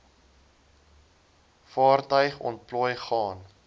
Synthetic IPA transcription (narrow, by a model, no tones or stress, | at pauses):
fɑːrtœɥχɔ̰nt̚plɔjχɑːn